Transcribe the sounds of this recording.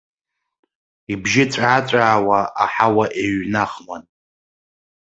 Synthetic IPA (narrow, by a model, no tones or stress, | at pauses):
ibʒɪt͡sʷʼat͡sʷʼaːwaa̰ħawaʔeɥnaχman